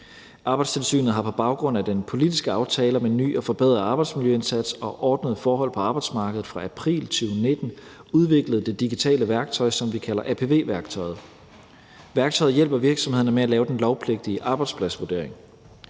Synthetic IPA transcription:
ʔɑ̈ːb̥ɑ̈ɪd̥st͡sʰe̝lsy̰ːnð̞̩ˠɦhɑ̈pʰɒ̽b̥ɑ̈ʊɡ̥ʁɔ̽n̰æd̥enpʰo̝lidisɡ̥əɑ̈ʊt͡sʰɛːlɐmeny̰ːɒ̽fɒ̽b̥eð̰ˠʁɐɑ̈ːb̥ɑ̈ɪd̥smiljøe̝nsæd̥sɒ̽ʔɒːd̥nəð̞ˠfɒːɦɒ̽l̰pʰɒ̽ɑ̈b̥ɑ̈ɪd̥smɑ̈ːɡ̥əð̩ˠfʁɑ̈ʔæpʰʁḭːlt͡ɕʰyʊne̝d̥n̩uð̞ˠʋe̝ɡ̥ləð̞̩ˠd̥e̝d̥iɡ̥it͡sʰɛ̰ːləʋæɐɡ̥̚t͡sʰɒ̽ɪsɒ̽mʋikʰælɐʔæpʰe̝ʋe̝̰ːʋæɐɡ̥̚t͡sʰɒ̽ɪð̞̩ˠ | ʋæɐɡ̥̚t͡sʰɒ̽ɪð̩ˠjel̰b̥ɐʋiɐɡ̥sɒ̽mhe̝ð̰ˠnəmeælɛːʊd̥enlɒʊpʰle̝ɡ̥̚d̥iəʔɑ̈ːb̥ɑ̈ɪd̥spʰlæsʋuɐd̥e̝̰ɐ̰e̝ŋ

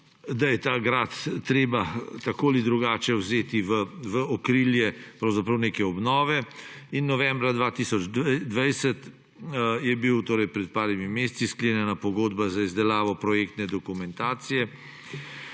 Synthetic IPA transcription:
d̪ajɛt̪aːɡɾaːt̪ːɾeːbat̪akoːlid̪ɾuɡaːt͡ʃɛwzeːt̪iʋəʋəɔkɾiljɛpɾɐwzapɾɐwneːkɛɔbnɔːʋɛinːɔʋɛmbɾad̪ʋat̪isɔd͡ʒd̪ʋajsɛt̪ | jɛbiwt̪oːɾɛjpɾɛt̪̚paːɾimimeːst̪siskleːnjɛnapɔɡoːd̪bazaizd̪ɛlaːʋɔpɾɔjekt̪nɛd̪ɔkumɛnt̪aːt̪sijɛ

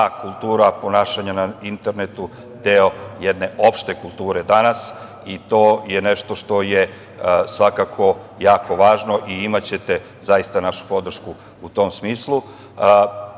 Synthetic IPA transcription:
akulˠt̪uːɾapo̞naːʃaɲanaint̪e̞ɾne̞t̪u | d̪eo̞jɛd̪ne̞ʔo̞pʃt̪e̞kulˠt̪uːɾe̞d̪anas | it̪o̞ːjeneʃt̪o̞ʃt̪o̞je | sʋakakʰo̞ | jaːko̞ʋaːʒno̞ʔiimat͡ɕe̞t̪e | zajist̪anaʃu̥po̞d̪r̩ʃku | ut̪o̞msmiːslˠu

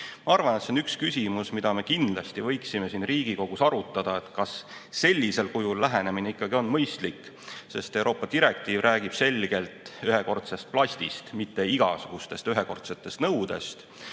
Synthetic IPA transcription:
mɑɑrvɑnet̪seo̞nykskysʲimusmid̪ɑme̞kind̪lɑst̪ivɤ̞jksime̞siːnriːɡ̥iko̞ɡ̥usɑɾut̪ːˑɑd̪̥ɑe̞t̪kɑsːe̞lʲːise̞lkujulːæɦe̞ne̞mineikːˑɑɡio̞nmɤjst̪likː | se̞st̪e̞wɾo̞ːpːˑɑd̪iɾe̞k̚t̪iːvrʔæːɡ̥ib̥se̞lʲɡe̞lt̪ˑyɦe̞ko̞rt̪sest̪̚plɑsʲt̪ist̪mit̪ːe̞iɡ̥ɑ̰suɡ̥ust̪e̞st̪yɦe̞ko̞rt̪se̞t̪ːˑe̞st̪nɤwd̪̥e̞̰st̪

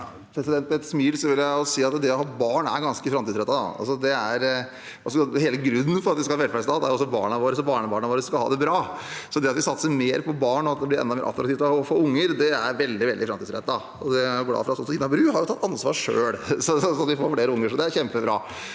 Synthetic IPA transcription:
pʰɾɛsɪd̪ɛnt̪ɛt̪smiːd̪sɔʋɪljæɪɔsiːɑt̪d̪ɛɔhɑːbɑːɳæ̰ɾɡɑnskəfɾɑmt̪iːsɾɛt̪ːɑd̪ɑ̰ɑ̰lsɔd̪ɛæɾ | ʔɑsɔɔheːləɡɾʉnːən̩fɔɾɑt̪ʋɪskɑlhɑːʋɛlfæst̪ɑːd̪æ̰jʊɔsːɔbɑ̰ːɳɑʋoːɾəsɔbɑːɳəbɑːɳɑʋoːɾəsɔskɑlhɑ̰ːd̪ɛbɾɑːsɔd̪ɛɑt̪ʋɪsɑt̪ːəsəmeːɾpʰɔbɑːɳɔɑt̪̚d̪ɛblɪɾɛ̰nd̪ɑmḛɾʔɑ̰t̪ɾɑk̪t̪ift̪ːfɔɾʊŋːəɾd̪ɛæɾʋɛld̪ɪʋɛld̪ɪfɾɑmt̪iːd̪sɾɛ̰t̪ːɑ | ɔd̪ɛæɾjʊɡlɑ̰ːfɔɾɑt̪sɔsɔɪnːɑbɾʉːɦɑɾjʊt̪ʰɑt̪ʰːɑnsʋɑ̰ːʂø̰ːɽsɔsɔsɔt̪ʋɪfoːɾfɽeːɾəʊŋːəʂɔd̪ɛæɾçɛmpəbɾɑ̰ː

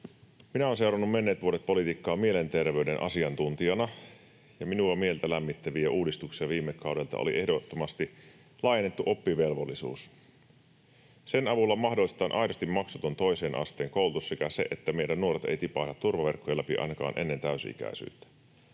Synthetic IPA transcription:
minæoːnse̞wɾɑnːumme̞nːe̞ːt̪ʋuoɾet̪̚po̞lit̪ikːɑːmie̞le̞nt̪e̞rʋe̞ydenʔɑ̰siɑnt̪unt̪iɑnɑ | jɑminuɑmielt̪ælæmːit̪ːæʋiæuːdist̪uksiɑʋiːmːekːɑuwde̞lt̪ɑ̰ʔo̰lḭʔe̞hdot̪ːomɑst̪i | lɑijenːet̪ːuʔo̞pːiʋe̞lʋolːisṵːs | senɑʋulːɑmɑhdolːist̪ɑːnʔɑjdost̪imɑksut̪ont̪o̞ise̞ːnʔɑ̰st̪e̞ːŋko̞ulut̪ussekæse̞̰ʔet̪ːæmejdænːuo̞ɾet̪e̞̰jt̪ipɑhlɑt̪ːurʋɑʋe̞rkːojɑlæpiʔɑ̰jnɑkɑ̰ːnʔe̞̰nːe̞nt̪æysḭk̟æ̰isy̰ːˑt̪ːˑæ̥

